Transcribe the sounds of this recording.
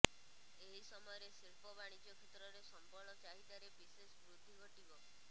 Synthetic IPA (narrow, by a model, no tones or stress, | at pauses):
eɦisɔmɔjɔɾesiɭpɔbaɽ̃it͡ʃɔkʰet̪ɾɔɾesɔmpɔɾɽ̃ɔt͡ʃaɦit̪aɾebisesbɾud̪ʱikɔʈibɔ